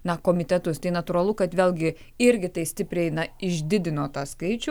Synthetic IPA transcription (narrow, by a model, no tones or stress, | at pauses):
nɐkoːmʲɪt̪ʲɛt̪ʊst̪ɐɪnɐt̪uːɾɐlˠʊkɐt̪ʋʲeːlʲˠɡʲɪ | ɪɾʲɡʲɪt̪ɐɪsʲt̪ʲɪpʲɾʲɛɪnɐɪʒʲd̪ʲɪd̪ʲɪnoːt̪ɑːskɐɪt͡ʃʲʊ